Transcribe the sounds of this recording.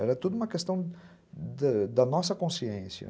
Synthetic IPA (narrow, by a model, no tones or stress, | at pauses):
ɛɾɐt̪od̪uũmɐkest̪ɐ̃w̃ | d̪ɐd̪ɐnɔsɐkõsiẽsjɐ̰